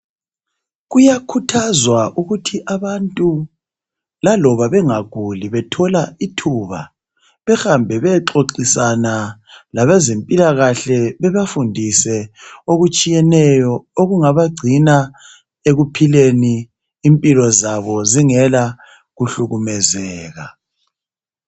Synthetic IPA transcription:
ɣujakʰutʰazwaʔuɣutʰiʔaβantʼu | lalɔβaβɛŋaɡ̥ʱuliβɛtʰɔlaitʰuβa̰ | βɛxambʱɛβɛǁoǁisanalaβezempʼilaɣaɬɛβɛβafundʱisɛoɣut͡ʃʼijɛnɛjɔoɣuŋaβaɡ͡ǀʱina | eɣupʰileniː | mpʼilɔzaβɔziŋɛla | ɣuɬuɣumɛzɛːɣa̰

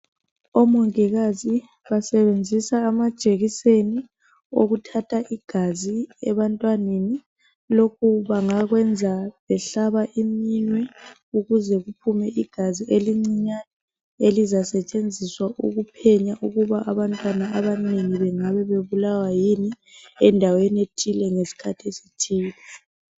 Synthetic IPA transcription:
ɔmɔŋiɣazi | βasɛβend͡zʱisaːmad̥ʒ̥ʼʱeɣiseni | o̰ɣutʰatʰaʔiɡ̥ʱaziɛβantʼwaneni | lokʰuβaŋaɣwɛnd͡zʱaβɛɬaβaʔiminwɛ | uɣuzɛɣupʰumɛʔiɡ̥ʱazieliŋ͡ǀiɲa | elizasɛt͡ʃʼend͡zʱiswaʔṵɣupʰɛɲaʔuɣuβaʔaβantʼwanaaβaneŋiβɛŋaβɛβeβulawajini | ɛndʱawenietʰilɛŋesi̥kʰatʰiesitʰiːlɛ

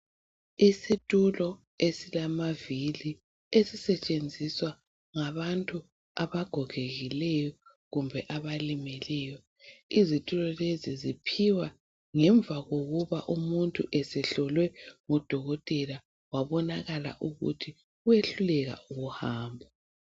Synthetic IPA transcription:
isitʼulɔ | esilamavili | esisɛt͡ʃʼend͡zʱiswa | ŋaβantʼu | aβaɡ̥ʱɔɣ̥ʱeɣilɛjɔ | ɣumbʱɛʔaβalimɛlɛjɔ | izitʼulɔlezizipʰiwa | ŋɛɱbvʱaɣoɣuβaʔumuntʼuʔɛsɛɬɔlwɛŋɔd̥ʱɔɣɔtʼɛla | waβɔnaɣala̰ʔuɣṵtʰi | ujeɬulɛɣa̰uɣuhaːmbʱa

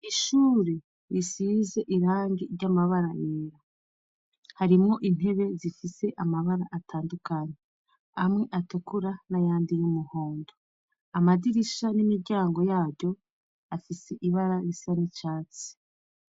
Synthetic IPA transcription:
iʃuːɾe̞ | ɾisize̞ʔiɾaːŋɡiɾɟamaβaɾaʔiɾa | haɾimŋo̞ʔin̥he̞βe̞zifise̞ʔamaβaɾaʔatʰaːndukaɲe | amŋe̞ʔatukuɾanajaːndijumuhoːndo | amadiɾiʃanimiɾɟaːŋɡo̞jaːɾɟo̞ | afise̞ʔiβaɾaɾisanit͡ʃaːt͡si̥

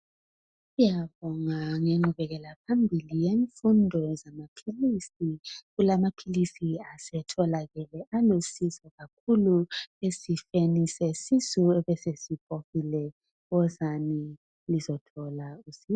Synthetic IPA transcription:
ijaβɔŋaŋeŋ͡ǃʱuβɛɣɛlapʰambʱilijeɱfundʱɔzamapʰilisiɣulamapʰilisiasɛtʰɔlaɣɛlɛʔalusisɔɣakʰuluesifenisɛsisuɛβɛsesip̚ʰoxilɛ | ɣɔzani | lizɔtʰɔlausi

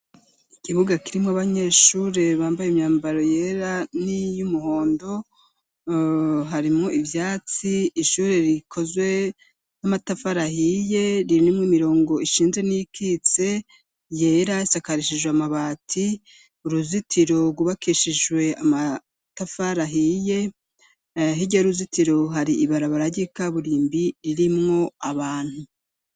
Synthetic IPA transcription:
ikiβuɡakiɾimŋaβaɲe̞ːʃuːɾe̞βaːmbajemɲaːmbaɾo̞je̞ɾanijumuho̞ːndo̞ | ɦaɾimŋoʔivjaːt͡siːʃuɾeɾikʰo̞zwe̞ | namatafaɾahije̞ɾinimwimiɾo̞ːŋɡo̞iʃiːnze̞nijikit͡se̞ | je̞ːɾaisakaɾiʃiʒweamaβaːtʰi | uɾuzitʰiɾo̞ɡuβakiʃiʒwe̞ama | tafaɾaɦije̞ | ɦiɟaɾuzitiɾo̞ɦaɾiiβaɾaβaɾaɟikaβuɾiːmbiɾiɾimŋo̞aβaːn̥hu

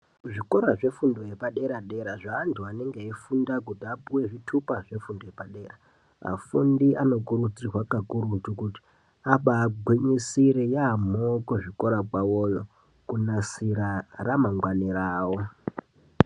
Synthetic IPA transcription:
ʐiko̞ɾaʐe̞fundo̞je̞paɗe̞ɾaɗe̞ɾaʐaːntʰuane̞ŋɡeifundakutiapuwe̞ʐitʰupaʐe̞fundo̞jepaɗe̞ːra | a̰fundiʔano̞kuɾud͡zirwakakuɾutukuti̥ | apaːɡʱwiɲisiɾejam̤okuʐiko̞ɾakwawojo | kunasiɾaramaŋɡwaniɾaːwo̞

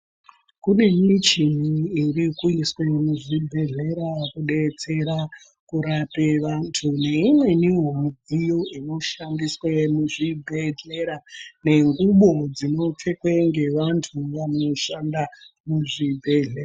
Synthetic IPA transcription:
kune̞mit͡ʃin̤iːrikuiswe̞muʐibʱe̞ɮe̞ɾakuɗe̞t͡se̞ɾa | kuɾapeʋantʰune̞imwe̞niɦomd͡zijoino̞ʃandiswe̞muʐibʱe̞ɮe̞ɾane̞ŋɡuɓo̞d͡zino̞p͡fe̞kweŋɡe̞ʋantʰuʋano̞ʃandamuʐibʱe̞ɮera

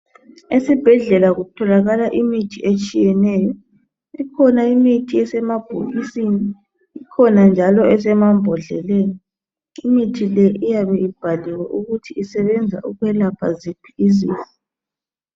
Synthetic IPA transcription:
esib̥ʱɛɮɛlaɣutʰɔlaɣalaʔimitʰiʔet͡ʃʼijɛnɛjɔ | ikʰɔnaimitʰiɛsɛmab̥ʱṵɣisini | ikʰɔnand͡ʒʱalɔɛs̬ɛmambʱɔɮɛlɛːni | imitʰilɛijaβɛib̥ʱaliwɛʔuɣutʰiisɛβɛnd͡zʱa̰ʔuɣwɛlapʰa̰zipʰiizḭːzi

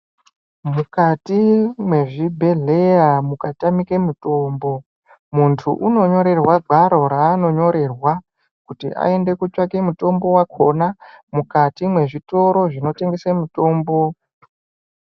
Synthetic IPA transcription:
mukatimwe̞ʐibʱe̞ɮe̞jamukatamikemuto̞ːmbo̞ | muntʰṵʔuno̞ɲo̞ɾe̞rwaɡʱaɾo̞ɾaːno̞ɲo̞ɾe̞rwa | kutḭʔa̰e̞nde̞kut͡ʃakemuto̞mbo̞wakʰo̞namukatimwe̞ʐito̞ɾo̞ʐino̞te̞ŋɡesemuto̞ːmbo̞

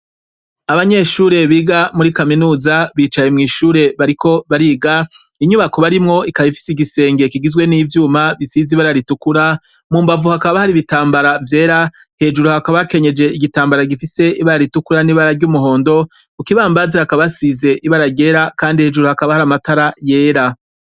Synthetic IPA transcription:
aβaɲe̞ʃuːɾe̞βiːɡamuɾikaminuːzaβiːt͡ʃaje̞mŋiːʃuːɾe̞βaɾiko̞βaɾiːɡa | iɲuβako̞βaɾimŋo̞ikaβifi̥siɡise̞ːŋɡe̞kiɡizɡwe̞niːvjuːmaβisiziβaɾaɾitukuɾa | muːmbavuhakaβahaɾiβitaːmbaɾavje̞ːɾa | he̞ːd͡ʒuɾuhakaβake̞ɲe̞d͡ʒe̞iɡitaːmbaɾaɡifise̞iβaɾaɾitukuɾaniːβaɾaɾɟumuɦo̞ːndo̞ | ukiβaːmbazihakaβasize̞ʔiβaɾaɾɟe̞ːɾakaːndihe̞ːʒuɾuhakaβahaɾamataɾaje̞ːɾa

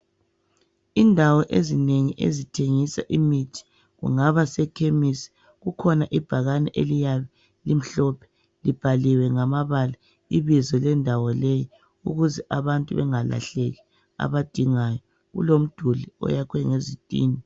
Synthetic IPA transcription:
indʱawɔʔezineŋiʔḛzitʰeŋisa̰ʔimitʰi̥ | ɣṵŋaβasɛkʰemisi̥ | ɣukʰɔnaʔib̥ʱaɣanɛʔelijaβɛ | lim̩ɬɔpʰɛ̥ | lib̥ʱaliwɛŋamaβala | iβizɔlɛndʱawɔleji | ṵɣuzɛʔaβantʼuβɛŋala̰ɬeɣi | a̰βad̥ʱiŋajɔ | ɣṵlom̩d̥ʱuliɔ̰jakʰwɛŋezitʼḭːni

